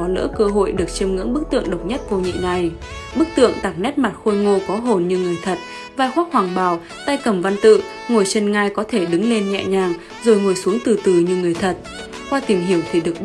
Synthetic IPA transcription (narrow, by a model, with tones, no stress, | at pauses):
ɔ˨˦lə̰ː˧˥kəː˧ɦo̰˧˨jɗɨ˨˩ək̚t͡ɕi˧əmŋɨ̰˧˥ŋɓɨ˦˥k̚t̪ɨ̰˧˨əŋɗə˨˩wk͡p̚ɲə˦˥t̚ko˧wɲḭ˧˨ŋa˧˩j | ɓɨ˦˥k̚t̪ɨ̰˧˨əŋt̪aː˨˩k̚nɛ˦˥t̚ma˨˩t̚xo˧jŋo˧kɔ˨˦ɦo˨˩nɲɨ˧ŋɨ˨˩əjt̪ʰə˨˩t̚ | vaː˧jxwaː˦˥k̚hwaː˨˩ŋɓaː˨˩w | t̪aː˧jkə˧˩mva˧nt̪ɨ̰˧˨ | ŋo˨˩jt͡ɕe˧nŋaː˧jkɔ˨˦t̪ʰe˧˩ɗɨ˨˦ŋle˧nɲŋɛ̰˧˨ɲaː˨˩ŋ | zo˨˩jŋo˨˩jsu˨˦əŋt̪ɨ˨˩t̪ɨ˨˩ɲɨ˧ŋɨ˨˩əjt̪ʰə˨˩t̚ | kwaː˧t̪i˨˩ŋɦi˧˩əwt̪ʰi˨˩ɗɨ˨˩ək̚